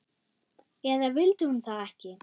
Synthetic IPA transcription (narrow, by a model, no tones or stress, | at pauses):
ɛðavɪlt̪ʏhʏmθaɛhcɪ